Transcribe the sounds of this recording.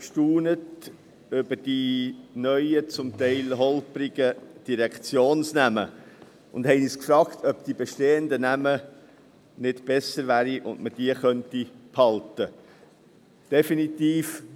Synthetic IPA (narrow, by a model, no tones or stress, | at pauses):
ʃtuːnət | ʏb̥əd̥inœʏət͡sʊmtɛɪlɦɔlpɾɪɡ̥əd̥iɾɛkt͡sjoːnsnæmə̰ | ʊ̰ndhɛɪniskfɾɑːktʰœpd̥̪ibɛʃteːəndənæmə | nɪtb̥ɛsəɾvæːɾiʔʊ̰ndməd̥iəχœntiphɑltə | d̥ɛfinit̪iːf